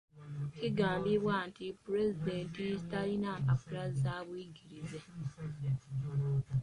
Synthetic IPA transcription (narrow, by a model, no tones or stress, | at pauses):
kiɡaːmbiβwaːntipuɾezideːntiistalinaːkafuɾazaːβwiɡiɾize